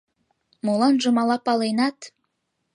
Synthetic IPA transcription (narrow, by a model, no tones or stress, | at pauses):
molˠɑnʒɤ̆mɑlɑpɑlenɑt̪